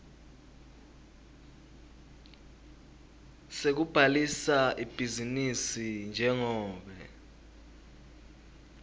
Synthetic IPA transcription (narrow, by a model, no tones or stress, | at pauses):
sek̬ub̥ʱalisaʔib̥ʱizinisind͡ʒʱɛŋɔːɓɛ